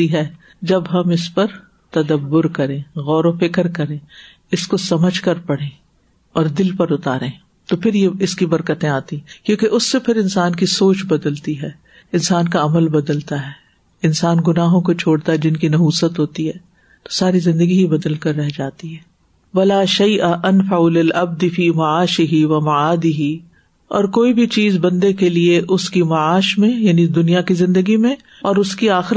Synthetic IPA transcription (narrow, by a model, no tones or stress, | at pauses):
iɦɛː | d͡ʒɐbɦɐmɪspɐɾ | t̪ɐd̪əbːʊɾkɐɾẽːɣɔːɾofɪkəɾkɐɾẽː | ɪskosɐməd͡ʒʱkɐɾpɐɽ̤ẽː | ɔːɾd̪ɪlpɐɾʊt̪aːɾẽː | t̪opʰɪɾjeɪskibɐɾkət̪ẽaːt̪ĩɛ̃kjõːkeʔʊsːepʰɪɾɪnsaːnkisoːt͡ʃbɐd̪əlt̪iɦɛː | ɪnsaːnkaɐməlbɐd̪əlt̪aɦɛː | ɪnsaːnɡʊnaːɦõkot͡ʃʰoːɽt̪aɦɛd͡ʒɪnkinɐɦuːsət̪ɦoːt̪iɦɛː | t̪o̥saːɾizɪ̃nd̪əɡiɦibɐd̪əlkɐɾːɛɦd͡ʒaːt̪iɦɛː | wɐlaːʃɐjʔaʔɐnfaʊlɪlʔɐb̚d̪ɪfiːmɐʕaːʃɪɦɪʋɐmɐaːd̪ɪɦi | ɔːɾkoːibʱit͡ʃiːzbɐ̃nd̪ekelieʔʊskimɐaːʃmẽjaːnid̪ʊnijakizɪ̃nd̪əɡimẽ | ɔːɾʊskiaːxɪɾ